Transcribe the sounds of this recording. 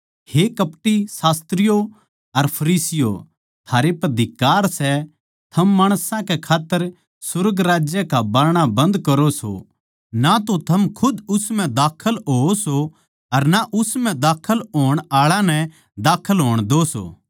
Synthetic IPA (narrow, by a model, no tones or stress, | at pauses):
hekɐpʈisaːst̪ɾɪjo | ɐɾpʰɐɾiːsɪjo̰ | t̪ʰaːɾepɐd̪ʱɪkːaːɾsɛ | t̪ʰɐmːaːɽ̃sãkɛkʰaːt̪ːəɾ | sʊɾɡɾaːd͡ʒjəkabɐɾɽ̃abɐ̃nd̪kɐɾoso̰ | nat̪ot̪ʰɐmkʰʊd̪ʊsmɛ̃d̪aːkʰəlɦoːso | ɐɾnaʔʊsmɛ̃d̪aːkʰəlɦoːəɽ̃aːɭãnɛ̃ | d̪aːkʰəlɦoːəɽ̃d̪oso̰ː